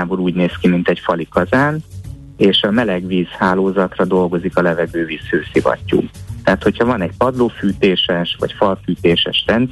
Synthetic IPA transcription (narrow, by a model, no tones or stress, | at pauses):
aːboɾuːɟneːskimint̪ɛcfɒlikɒzaːn | eːʃɒmɛlɛɡviːshaːloːzɒt̪rɒd̪o̞lɡo̞zikɒlɛvɛɡøːviːshøːsivɒ̰cːṵːt̪ɛɦat̪ho̞chɒvɒnɛɟ̚pɒd̪loːfyːt̪eːʃɛʃvɒ̰cfɒlfyːt̪eːʃɛ̰ʃrɛn